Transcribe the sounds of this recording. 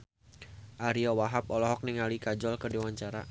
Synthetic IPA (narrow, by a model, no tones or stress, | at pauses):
ʔaɾiawaɦap̚ɔlɔɦɔk̚niŋalikad͡ʒɔlkədewaɲt͡ʃaɾa̰